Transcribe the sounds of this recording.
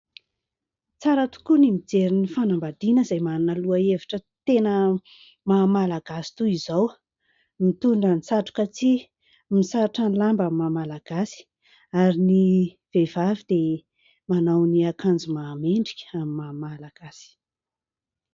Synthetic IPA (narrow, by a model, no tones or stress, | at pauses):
t͡saɾət̪u̥kunimid͡zeɾinifanambad̪inəzajmanunəluaeviʈ͡ʂət̪enə | mamalaɡasi̥t̪uizaw | mit̪uɳɖ͡ʐənisaʈ͡ʂu̥kət͡si | misaʈ͡ʂanilambamimamalaɡ̥asi̥ | aɾini | v̥evavid̪̥e | manawniakʰand͡zumaːmeɳɖ͡ʐikʲə̥amimamalaɡ̥asi̥